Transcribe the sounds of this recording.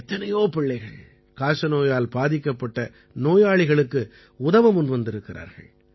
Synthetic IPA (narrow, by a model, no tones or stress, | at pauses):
t̪ːɐnɐjoːpɪɭːɐɪɣɐɭ | kaːʂɐnoːjaːlbaːðɪkːɐpːɐʈːɐ | noːjaːɭɪɣɐɭɯkːɯ | ʊðɐʋɐmʊnʋɐnd̪ɪɾɯkːɪra̰ːɾɣɐ̰ɭ